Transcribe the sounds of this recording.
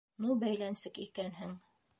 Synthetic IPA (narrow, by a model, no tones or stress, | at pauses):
nubæjlænsɘkikænɦɘŋ